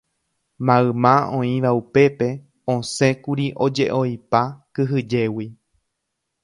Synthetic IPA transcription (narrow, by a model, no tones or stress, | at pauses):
mãɨmãõĩʋaupe̞pe̞ | õsẽ̞kuɾiʔõ̞d͡ʒe̞ʔo̞jpakɨɦɨd͡ʒe̞wi